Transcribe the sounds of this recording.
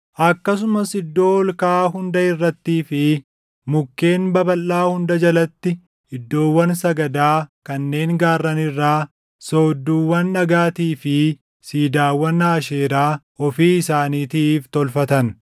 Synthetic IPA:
ʔɐkːɐs̬ʊmɐsɪd̪ːo̞ːɔlkaːɦʊnd̪ɐɪrːɐt̪ːiːfɪ | mʊkːe̞ːnbɐbɐlːaːhʊnd̪ɐd͡ʒɐlɐt̪ːɪ | ɪd̪ːo̞ːwːɐnsɐɡɐd̪aːkɐnːe̞ːŋɡaːrːɐnɪrːaː | soːd̪ːuːwːɐnːɐɡaːt̪iːfɪ | siːd̪aːwːɐnːaːʃeːɾaː | ɔfiːɪsaːniːt̪iːft̪ɔlfɐt̪ɐn

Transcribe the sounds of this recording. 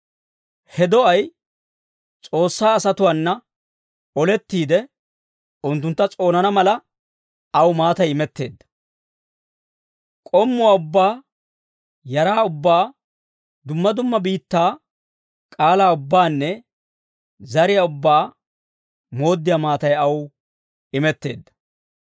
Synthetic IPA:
hɛd̪ɔɐj | t͡sʼo̞ːsːaːɐsɐt̪ʊwaːnːɐ | ɔlɛt̪ːiːd̪ɛ | ʊnt̪̬ːʊnt̪ːɐt͡sʼo̞ːnɐnɐmɐlɐ | ɐwmaːt̪ɐjɪmɛt̪ːe̞ːd̪ːɐ̥ | kʼɔmːʊwaːʊbːaː | jɐɾaːʊbːaː | d̪ʊmːɐd̪ʊmːɐbiːt̪ːaː | kʼaːlaːʊbːaːnːɛ | zɐɾɪjaʊbːaː | mo̞ːd̪ːɪjamaːt̪ɐjɐw | ɪmɛt̪ːe̞̰ːd̪ːɐ̥

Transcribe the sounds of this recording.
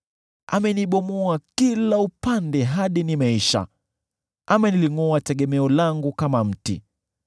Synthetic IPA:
ʔa̰mɛniɓɔmɔakilaupandɛɦaɗinimaiʃa̰ | amɛniliŋɔatɛɠɛmɛɔlaŋɡukamam̩tḭ

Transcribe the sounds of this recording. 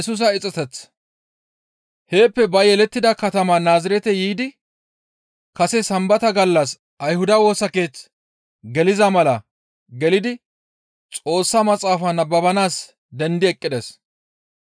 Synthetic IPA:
sʊs̬ɐɪt͡sʼɐt̪ɛt͡s | he̞ːpːɛbɐjɛlɛt̪ːɪd̪ɐkɐt̪ɐmanaːzɪɾɛt̪ɛjiːd̪ɪ | kɐsɛsɐmbɐt̪ɐɡɐlːɐs | ɐjhʊd̪ɐwo̞ːsɐke̞ːt͡s | ɡɛlɪzɐmɐlɐ | ɡɛlɪd̪ɪ | t͡sʼo̞ːsːamɐt͡sʼaːfɐnɐbːɐbɐnaːs | d̪ɛnd̪ɪɛkʼːɪd̪ɛs

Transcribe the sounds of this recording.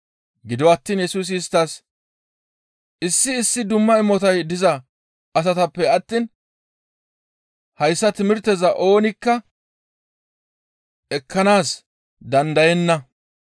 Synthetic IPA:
ɡɪd̪ɔwɐt̪ːiːnjɛsuːs̬ɪst̪ːas | ʔɪsːɪːsːɪd̪ʊmːɐɪmɔt̪ɐjd̪ɪzɐ | ʔɐsɐt̪ɐpːɛɐt̪ːiːn | hɐjsːɐt̪ɪmɪɾt̪ɛzɐʔo̞ːnɪkːɐ | ɛkːɐnaːs | d̪ɐnd̪ɐjɛnːɐ

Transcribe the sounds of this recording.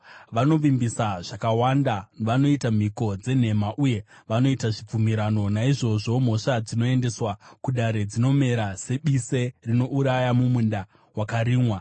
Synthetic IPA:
ʋano̞ʋimbisaʐ̥akawandanʋano̞itam̤iko̞d͡ze̞n̤e̞maʔuje̞ʋano̞itaʐip͡fumiɾano̞naiʐo̞ʐo̞m̤o̞ʂad͡zino̞e̞nde̞swakuɗaɾe̞d͡zino̞me̞ɾase̞ɓiserino̞ʔuɾajamumunda | wakaɾiːmwa

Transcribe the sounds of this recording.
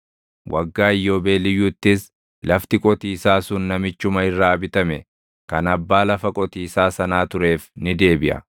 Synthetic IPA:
wʔɐ̰ɡːaːɪjːo̞ːbe̞ːlɪjːʊːt̪ːɪs | lɐft̪ɪkʼɔt̪iːsaːsʊnːɐmɪt͡ʃːʊmɐɪrːaːɐbɪt̪ɐmɛ | kɐnɐbːaːlɐfɐkʼɔt̪iːsaːsɐnaːt̪ʊɾe̞ːfnɪd̪e̞ːbɪʔɐ̰

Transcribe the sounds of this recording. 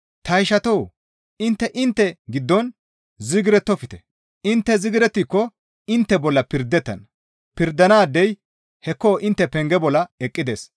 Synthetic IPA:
t̪ɐjʃɐt̪ɔw | ɪnt̪ːɛʔɪnt̪ːɛɡɪd̪ːɔn | zɪɡɪɾɛt̪ːɔfɪt̪ɛ̥ | ɪnt̪ːɛzɪɡɪɾɛt̪ːikːɔ | ɪnt̪ːɛbɔlːɐpɪɾd̪ːɛt̪ːɐ̰n | pɪɾd̪ɐnaːd̪ːɛj | hɛkːoːʔɪnt̪ːɛpɛŋɡɛbɔlːɐɛkʼːɪd̪ḛːs

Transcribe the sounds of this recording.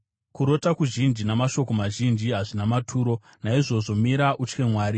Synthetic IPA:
kuɾo̞takuʒind͡ʒinamaʃo̞ko̞maʒind͡ʒiɦaʐinamatʰuːɾo̞ | naiʐo̞ʐo̞miɾaʔut͡ʃkemwaːɾi

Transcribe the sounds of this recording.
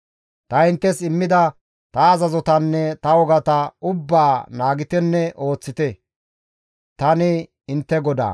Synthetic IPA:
t̪ɐɪnt̪ːɛsɪmːɪd̪ɐ | t̪ɐːzɐzɔt̪ɐnːɛt̪ɐwɔɡɐt̪ɐʊbːaːnaːɡɪt̪ɛnːɛʔo̞ːt͡sːɪt̪ɛ | t̪ɐnɪ | ɪnt̪ːɛɡɔd̪a̰ː

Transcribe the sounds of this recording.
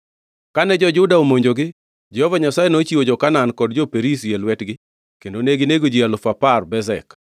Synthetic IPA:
kanɛd͡ʒɔd͡ʒʊdaomoɲd͡ʒoɡɪ | d͡ʒɛhɔvaɲasajenot͡ʃiwod͡ʒɔkanankɔdd͡ʒɔpeɾisjɛlwɛtɡɪ | kendoneɡɪneɡod͡ʒialʊfaparbɛzɛk

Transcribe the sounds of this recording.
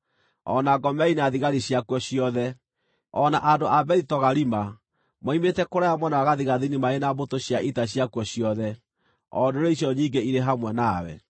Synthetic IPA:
ɔ̰naɡɔmɛineaðiɣaɾiɕjakwɔɕiɔðɛ | ɔnaʔandoʔabɛɾitɔɣaɾima | mwaimetɛkoɾajamwɛnawaɣaðiɣaðinimaenabotoɕjaʔitaɕjakwɔɕjɔðɛ | ɔdoɾeiɕɔɲiːŋɡeiɾeɦamwɛnawɛ̰

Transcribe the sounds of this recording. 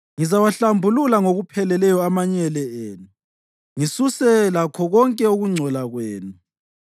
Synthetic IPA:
ŋizawaɬambʱululaŋoɣupʰɛlɛlɛjɔamaɲɛlɛeːnu | ŋisusɛlakʰɔɣɔŋkʼɛuɣuŋ͡ǀʱɔlaɣweːnu

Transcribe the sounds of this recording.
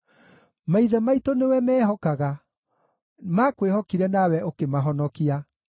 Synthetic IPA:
maiðɛmaitonewɛmɛːɦɔkaɣa | makwehɔkiɾɛnawɛʔokemaɦɔnɔkia

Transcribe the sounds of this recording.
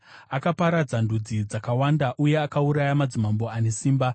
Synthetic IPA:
akapaɾad͡zandud͡zid͡zakawandaʔuje̞akauɾajamad͡zimambo̞ane̞siːmba

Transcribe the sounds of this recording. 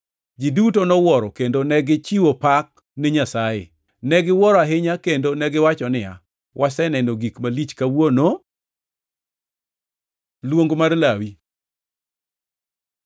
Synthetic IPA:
d͡ʒidutonɔwɔɾɔkendonɛɡɪt͡ʃiwopak̚ | nɪɲasajɪ̰ | nɛɡɪwɔɾɔaɦɪɲakendonɛɡɪwat͡ʃɔnɪa̰ | wʔasɛnɛnoɡikmalit͡ʃkawono | lwoŋɡomarlawi

